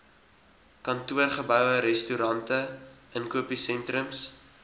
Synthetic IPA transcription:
kɐntuərχəbœwəɾɛstuɾɐntəənkuəpisɛntrɾəms

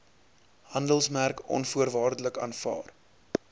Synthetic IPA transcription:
hɐndəlˠsmærkɔ̰nfuərvɑːrdələkɑ̰ːnfɑ̰ːr

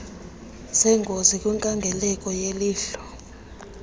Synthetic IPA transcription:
sɛŋɡʱozikʼwiŋkʼaŋɡʱɛlɛkʼɔjeliːɬɔ̥

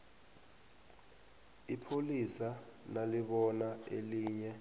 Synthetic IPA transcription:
ipʰolisanaliɓɔnaeliːɲɛ

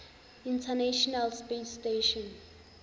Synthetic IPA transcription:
intʰanaʃɔnalspesteʃɔ̃n

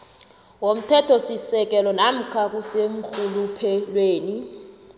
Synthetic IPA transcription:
wom̩tʰɛtʰɔsisɛk̬ɛlɔnam̩kʰak̬ʼusem̩xulupʰɛlweːni

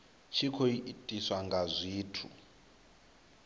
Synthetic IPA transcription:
t͡ʃʰikʰoiʔːtʼiswaŋɡazʷiːtʰṵ

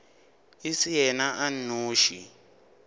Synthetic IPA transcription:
isijɛnaʔannoːʃḭ

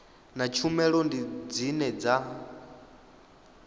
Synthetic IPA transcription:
nat͡ʃʰumɛɺɔndid͡zinɛd͡za

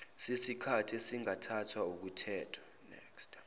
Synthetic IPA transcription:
sisikʰatʰesiŋatʰatʰwauk̬utʰɛːtʰḁ | nɛ̰ːkstʼ

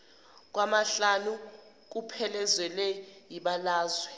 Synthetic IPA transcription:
k̬wamaɬanu | k̬upʰɛlɛzwɛlɛjiɓalaːzwɛ

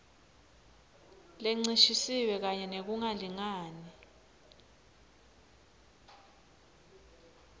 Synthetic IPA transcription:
leŋ͡ǀiʃisiwɛk̬aɲɛnek̬uŋaliŋaːni

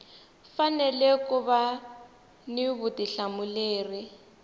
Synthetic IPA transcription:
fanɛlɛkuβa | nɪβʊtiɬamʊleːri

